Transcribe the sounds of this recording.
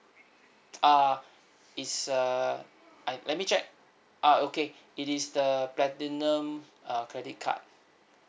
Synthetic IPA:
a | itsa | alɛt̚mit͡ʃɛk̚ | ʔaoke | itisdəplɛtinə̃makɹɛdit̚kʰa̰t̚

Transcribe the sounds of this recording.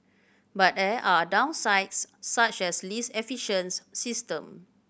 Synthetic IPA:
bat̚dɛʔadãw̃nsaɪtsːat͡ʃɛslisɛfiʃə̃nsːistə̃m

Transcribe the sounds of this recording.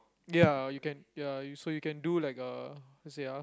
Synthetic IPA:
jajukɛ̃njajsojukɛ̃ndulaɪkʌlɛseja

